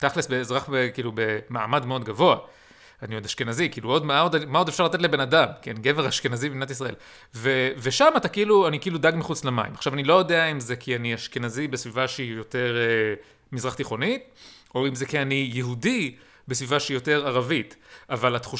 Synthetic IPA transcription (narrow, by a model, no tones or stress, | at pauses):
t̪aχlesbeːzʁaχbekiːlube̞maːmadmeo̞d̪ɡavo̞a | anijodaʃke̞nazikiːluo̞dmaodmao̞defʃaʁlat̪et̬lebe̞nadamkianiɡeveʁhaʃke̞nazibimnat̪is̬ʁael | veveʃamatakiiluanikiiːludaɡmiχut͡slema̰ḭmaχʃavanilo̞jo̞deaimzekʰianiaʃke̞nazibesvivaʃeijo̞te̞ʁe | mizʁaχt̪iχo̞nit | o̞imzekianijeɦudi | besvivaʃeijote̞ʁaʁavitʔavalat̪χu